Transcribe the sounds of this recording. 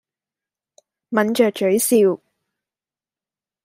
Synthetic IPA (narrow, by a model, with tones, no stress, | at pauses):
mɐ˨˥nt͡ʃœː˨k̚t͡ʃɵ˨˥ɥsiː˧w